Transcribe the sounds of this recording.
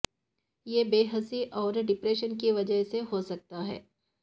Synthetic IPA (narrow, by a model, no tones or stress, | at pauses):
jeːbeːɦəsiʔɔːɾɖɪpɾeːʃənkiʋɐd͡ʒəɦseɦosɐk̚t̪aɦɛ̰ː